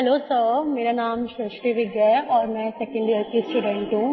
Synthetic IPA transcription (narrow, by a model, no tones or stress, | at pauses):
ɦɐloːsəmeːɾanaːmʃɾɪʃʈiʋiɡeɔːɾmɛ̃ːsekẽɳɖiɐɾk̪isʈuɖẽɳʈũː